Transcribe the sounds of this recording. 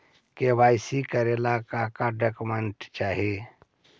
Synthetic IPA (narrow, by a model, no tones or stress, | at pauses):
kewaːjsikəɾelaːkakaɖakumeɳʈt͡ʃaːɦie